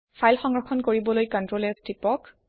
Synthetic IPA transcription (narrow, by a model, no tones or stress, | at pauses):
pʰajlxɔŋɹɔxʰɔnkoɹibɔlojkɔntɹolɛstipɔk